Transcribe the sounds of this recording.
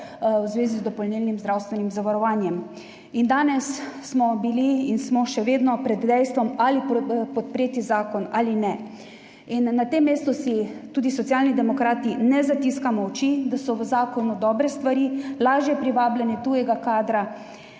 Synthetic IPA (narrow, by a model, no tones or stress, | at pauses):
wzʋeːzizd̪ɔpɔlnilnimzd̪ɾawst̪ʋɛnimzaʋaɾɔʋaːnjɛm | ind̪aːnɛsː | mɔbiliːnsmɔʃɛʋeːd̪nɔpɾɛd̪d̪ɛjst̪ʋɔmalipɔt̪̚pɾeːt̪izaːkɔnaːlinɛ | inːat̪emːeːst̪usit̪uːd̪isɔt̪sjaːlnid̪ɛmɔkɾaːt̪inɛzat̪iskamɔwt͡ʃid̪asɔʋəzaːkɔnud̪ɔːbɾɛst̪ʋaɾilaːʒjɛpɾiʋaːbljɛnɛt̪ujɛɡakaːd̪ɾa